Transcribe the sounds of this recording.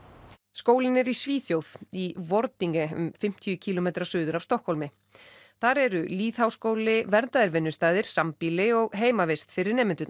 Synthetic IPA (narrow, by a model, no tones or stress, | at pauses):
skoːwlɪnɛɾisviːθjowð̥ivɔɾt̪niŋkɛʏ̰mfɪm̥t̪ʰijʏcʰiːlɔmejt̪ɾasʏːðʏɾavst̪ɔhkʰɔlmɪ | θaɾɛɾʏliːθhawskoːwlɪvɛɾt̪aðɪɾvɪnːʏst̪aːðɪɾ̥sampiːlɪɔɣɦeːjmavest̪fɪɾɪɾnɛːmɪnt̪ʏt̪n